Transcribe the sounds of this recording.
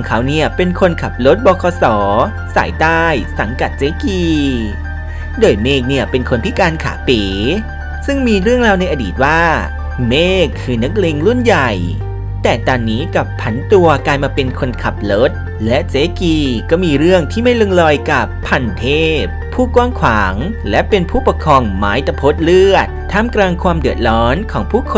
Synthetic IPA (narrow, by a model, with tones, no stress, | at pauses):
ɔ˧ŋkʰa˨˦˥wni˦˥˩ɐpe˧nkʰo˧nkʰa˨˩p̚lo˦˥t̪̚bɔː˧˩kʰɔː˧sɔː˩˦ | sa̰ː˩˦jt̪aː˥˩jsa˩˦ŋka˨˩t̪̚t͡ɕeː˦˥kiː˧ | doː˧jmeː˥˩k̚ni˦˥˩ɐpe˧nkʰo˧npʰi˦˥kaː˧nkʰa̰ː˩˦peː˩˦ | sɯ˥˩ŋmiː˧ɾɯ˥˩əŋɾaː˧wna˧jʔaː˧dḭː˨˩t̪̚waː˥˩ | meː˥˩kʰːɯː˧na˦˥k̚leː˧ŋɾu˥˩nja˨˩j | t̪ɛː˨˩t̪ɔː˧nːiː˦˥ka˨˩pʰːa˩˦nt̪u˧ɐklaː˧jmaː˧pe˧nkʰo˧nkʰa˨˩p̚lo˦˥t̪̚ | lɛ˦˥ʔt͡ɕeː˦˥kiː˧kɔː˥˩miː˧ɾɯ˥˩əŋt̪ʰiː˥˩ma˥˩jlo˧ŋlɔː˧jka˨˩pʰːa˧nt̪ʰeː˥˩p̚ʰːuː˥˩kwaː˥˩ŋkʰwaː˩˦ŋ | lɛ˦˥pe˧npʰuː˥˩pa˧kʰɔː˧ŋmaː˦˥jt̪a˧pʰo˦˥t̪̚lɯ˥˩ət̪ʰːaː˥˩mklaː˧ŋkʰwaː˧mdɯ˨˩ət̪̚lɔː˦˥nkʰɔː˩˦ŋpʰuː˥˩kʰo˧